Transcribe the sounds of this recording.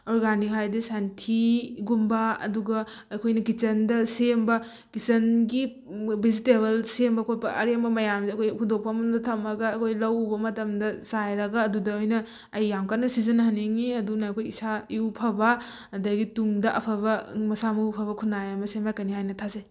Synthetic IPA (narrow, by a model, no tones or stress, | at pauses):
ɔɾɡanikɦajdɐsantʰiɡumbaɐ̰duɡɐː | jkʰojnɐkit͡ʃɐndɐsembɐ | kit͡ʃɐnɡi | biziteβɐlsembɐkʰopɐʔɐɾembɐmɐjamzeɐkʰojpʰudok̚pʰamɐndɐtʰɐmɐɡɐːkʰojlɐwbɐmɐtɐmdɐsajɾɐɡɐːdudɐojnɐː | jːamkanːɐsizɐnɦaneŋiɐdunaːkʰojisaiwpʰɐbɐ | dɐɡituŋdɐʔɐ̰pʰɐβɐmɐsamɐupʰɐβɐkʰunajamɐsemakɐniɦajnɐtʰaze